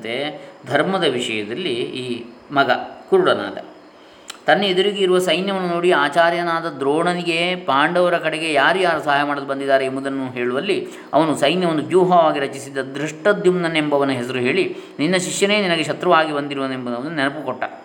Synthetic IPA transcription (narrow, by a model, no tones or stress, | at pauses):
t̪ed̪ʱɐɾmɐd̪ɐʋiʂɐjɐd̪ɐlːiiː | mɐɡɐkuɾuɽɐna̰ːd̪ɐ̰ | t̪ɐnːeed̪uɾiɡeiɾuʋɐsɐjnjɐʋɐnːunoːɽiaːt͡ʃaːɾjɐnaːd̪ɐd̪ɾoːɳɐniɡe̞paːɳɖɐʋɐɾɐkɐɽeɡejaːɾujaːɾusɐɦaːjɐmaːɽɐd̪ubɐnd̪id̪ːaːɾeːmud̪ɐnːuɦeːɭuʋɐlːi | ɐ̰ʋɐnusɐjnjɐʋond̪ubjuːɦɐʋaːɡiɾɐt͡ʃisid̪ːɐd̪ɾiʂʈɐd̪jumnɐnembɐʋɐnːuɦesɐɾuɦe̞ːɭininːɐʃikjɐneːninɐɡeʃɐt̪ɾɐʋaːɡibɐnd̪iɾuʋɐnembɐnːɐʋɐnːnɛnɐpukɔʈːɐ